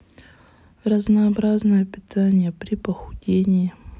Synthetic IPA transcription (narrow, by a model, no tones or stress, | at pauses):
rəznɐːbɾaznəjəpʲɪt̪ʰanʲɪjəpɾʲɪpəxʊdʲenʲɪjɪ